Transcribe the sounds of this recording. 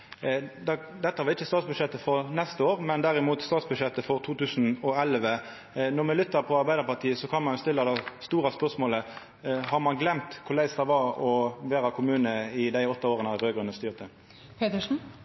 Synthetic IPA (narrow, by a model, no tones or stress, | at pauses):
d̪ɑd̪ɛt̪ːəɑʁɪçːəst̪ɑːt̪sbʉd̪ʂɛt̪ːəfɔʁnɛst̪əoːʁmɛnd̪æɾɪmuːt̪st̪ɑːt̪sbʉʂɛt̪ːəfɔʁt̪ʰuːt̪ʉːsn̩ɔɛlʋə | nɔʁmɛlʏt̪ːəɾpʰɔɑʁbæɪd̪əɾpɑʁt̪ʰiːəsɔkʰɑnmɑnʊst̪ɪlːɑd̪æɪst̪uːʁɑspœʁsmoːlə | hɑʁmɑnɡlɛmt̪kʰʊʁlæɪst̪ɑʋɑʁɔʋeːɾɑkʰʊmʉːnəɪd̪æɪɔt̪ːɑoːʁənəɑʁøːɡʁʉnəst̪yːʁt̪ʰə | pʰeːt̪əʂn̩